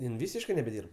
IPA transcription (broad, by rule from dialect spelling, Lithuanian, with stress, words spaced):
ˈjɪn ˈʋʲiːsʲɪʃkɜ nʲɛbʲɛˈdʲiːrp